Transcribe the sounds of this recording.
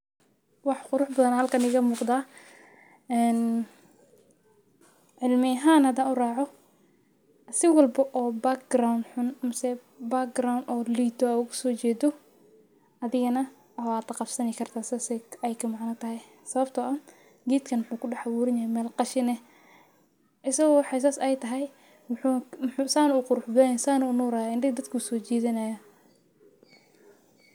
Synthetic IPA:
wɑħqʊɾʊħbɐðɐnhɐlkʰɐnɪɣɐmuːqd̪aː | ɛːn | ʕɪlmɪɐɦaːnhɐd̪aːnʊrɑːʕɔ | sɪwɐlbɐʔɔːbakɡɾawnħʊnmʊsɛ | bak̚ɡrawnɔːliːt̪ʰɔaʊɣʊsɔːt͡ʃɛːd̪ɔ | ɐðɪɣɐnɐ | waːt̪ɐqɑfsɐnɪkʰɐrt̪ʰaːsasɛɛjkʰɐmaʕnɐt̪ʰɐɦɛj | sɐβɐbt̪ʰɔʔɐ | ɡiːt̪kʰɐnwʊħuːkʰʊɖɛħawuːɾɪnjɐhɛmɛːlqɑʃɪnɛ | ʔɪsɐɣɔwħɛs̬asɛjt̪ʰɐɦɛj | wʊħumusaːnɐuːqʊɾʊħbɛnsaːnɐʊnuːɾaːjaɪndɪɡd̪ɐd̪kʰʊʊsɔːt͡ʃiːðɪnaːjɐ

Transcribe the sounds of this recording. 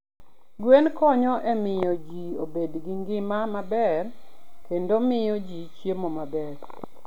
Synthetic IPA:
ɡwenkɔɲɔʔemɪjɔd͡ʒiobedɡiŋɡɪmamabɛrkendomɪjɔd͡ʒit͡ʃjemomabɛɾ

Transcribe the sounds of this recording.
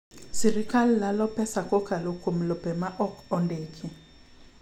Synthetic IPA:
sirikʰalilalɔpʰɛsakɔkʰalokʰʼom̩lɔbɛmaʔɔkʰɔndeːkʰi

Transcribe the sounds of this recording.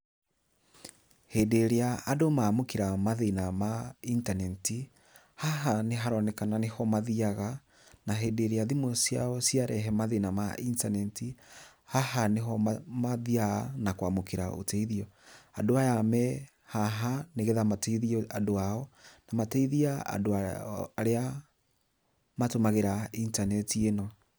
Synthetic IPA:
hedeɾeaʔːdomamokeɾamaðenamaintanɛnti | haɦaneɦaɾɔnɛkananehɔmaðiaɣa | naɦedeɾeaðimɔsia̰ɔsiaɾɛɦɛmaðenamaintanɛnti | hahaneɦɔmamaðianakwamokeɾao̰tɛiðiɔadoajamɛ | haɦaneɣeðamatɛiðiadoaɔnamatɛiðiaa̰doːɾea | matomaɣeɾaintanɛtienɔ

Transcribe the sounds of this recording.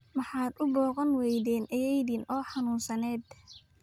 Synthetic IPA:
mɑħɑːd̪ʊbɔːqɐnwɛjðɛːnʔɐjɛjðinʔɔːħɑnuːnsɐnɛːd̪

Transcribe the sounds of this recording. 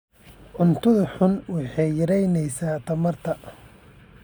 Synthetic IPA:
ʕʊnt̪ʰʊðɐħʊnwɑħɑjjɐɾɛjnɛjsaːt̪ʰɐmɐrt̪ʰɐ

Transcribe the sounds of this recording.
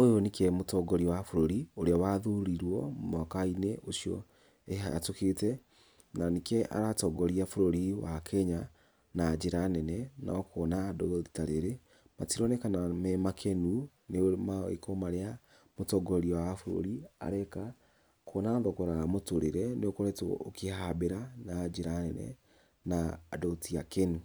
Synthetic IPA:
ojonikɛmotɔɡɔɾiwafoɾoɾioɾeawaðuɾiɾwɔmakaineʔosiɔ̰ | eɦatoketɛ | nanekɛʔa̰ɾatɔɡɔɾiafoɾoɾiwakʰɛɲa | nad͡ʑeɾanɛnɛna̰koːnadoɣɔðitaɾeɾe | matiɾɔnɛkanamɛmakʰɛnu | nemaḛkomaɾea | motɔɡɔɾiɔwaafoɾo̰ɾia̰ɾɛka | kʰonaðɔkɔɾaamotoɾeɾɛneokɔɾɛtookehabeɾanad͡ʒeɾanɛnɛ̰ | nadɔtiakenu

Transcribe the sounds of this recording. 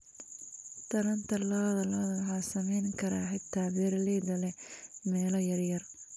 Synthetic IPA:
t̪ʰɐɾɐnt̪ʰɐlɔːðɐlɔːðɐðɐħaːsɐmɛjŋkʰɐɾaːħɪt̪ʰːaːbɛːɾlɛːd̪ɐlɛmɛːlɔjɐrjɐr

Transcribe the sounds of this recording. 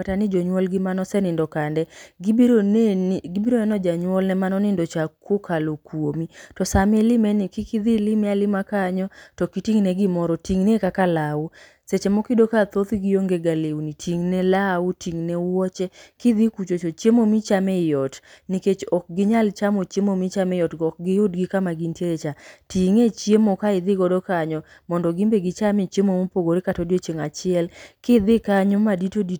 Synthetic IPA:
katanid͡ʒɔɲwɔlɡɪmanɔsɛnɪndɔkandɛɡoɡibiɾonɛnɔd͡ʒaɲwɔlnɛmanɔnɪndɔt͡ʃakwokʰalokwomitɔsamelɪmɛnɪkɪkid̪ilɪmɛalɪmakaɲɔtɔkitiŋnɛɡɪmɔɾɔtiŋnekakalawu | set͡ʃemɔkidokat̪ot̪iɡɪjoŋɡeɡalewunitʰiŋnɛlautiŋnɛwɔt͡ʃɛkɪd̪ɪkut͡ʃot͡ʃot͡ʃjemomit͡ʃamɛjɔtniket͡ʃɔk̚ɡɪɲalt͡ʃamot͡ʃjemomit͡ʃamɛjɔtɡɔk̚ɡɪjʊtɡɪkamaɡintjeɾet͡ʃatiŋet͡ʃjemokaɪd̪ɪɡɔdɔkaɲɔ | mɔndɔɡimbeɡɪt͡ʃamɪt͡ʃjemomopoɡoɾekatodet͡ʃeŋat͡ʃɪɛlkɪd̪ɪkaɲɔmaditodi

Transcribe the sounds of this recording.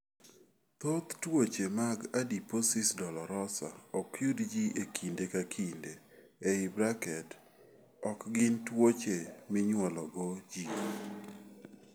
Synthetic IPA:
t̪ot̪twot͡ʃemaɡadiposɪsdɔlɔɾɔsa̰ɔkjudd͡ʒiʔekʰindekakʰinde | eɪbɾakɛd | ɔkɡɪntwot͡ʃemɪɲwɔlɔɡod͡ʒi

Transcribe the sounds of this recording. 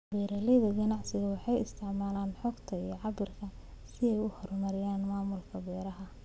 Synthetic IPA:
bɛːɾɐlɛðɐɡɐnɑʕsɪɣɐwɑħɑjɪst̪ʰɪʕmaːlaːnħɔːɡt̪ʰɐijɔʕɑbɪrkʰɐ | sɪɛjʊhɔrmɐɾɪjaːnmaːmʊlkʰɐbɛːɾɐɦɐ

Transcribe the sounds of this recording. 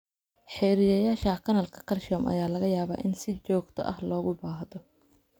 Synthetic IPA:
ħɛːɾɪjɐjaːʃɐːkʰɐnɐlkʰɐ̥kʰɐlʃɔːmʔɐ̰jaːlɐɣɐjaːβa̰ːʔɪnsɪt͡ʃɔːɡt̪ʰɔ̰ʔɐ̰hlɔːɣʊbaːɦðɔ

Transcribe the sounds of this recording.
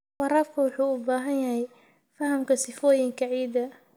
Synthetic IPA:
wɑɾaːfkʰɐwʊħuːʊbaːɦɐnjɐɦɛj | fɐɦɐmkʰɐsɪfɔːjɪŋkʰɐʕiːd̪ɐ

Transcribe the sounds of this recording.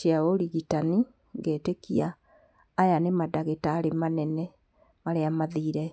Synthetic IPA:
iaoɾiɣitani | ŋɡeːtekiaː | janemadaɣetaːɾemanɛnɛ | maɾeamaðiːɾɛ

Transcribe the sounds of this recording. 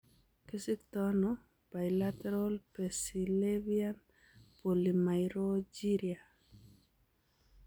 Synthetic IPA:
kɪsɪkt̪ɔnɔ | b̥ajlat̪ɛɾɔlpesilevian | polimajɾod͡ʒiɾia

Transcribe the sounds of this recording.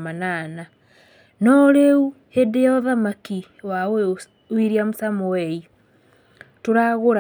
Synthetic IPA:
manana | nɔɾeu | hedejɔðamaki | wawe | wiɾiamosamɔwɛi | toɾaɣoɾa

